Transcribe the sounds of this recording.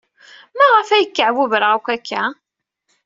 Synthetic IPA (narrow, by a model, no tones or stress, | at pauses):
mæʁəfæjəkːʕwuvəɾʁækʷækʰːæ